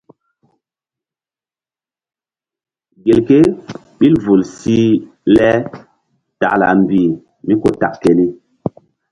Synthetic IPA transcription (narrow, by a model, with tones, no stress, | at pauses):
ɡe˨lke˦ | ɓi˦lvu˨lsi˦ | lɛ˦ | ta̰˨la̰˨mbi˨ | mi˦ko˨ta̰˨kke˨li˦